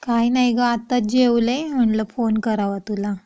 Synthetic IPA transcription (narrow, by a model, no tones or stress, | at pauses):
kajnajɡaːt̪ad͡ʑewlem̤əɳləfonkəɾaʋat̪ula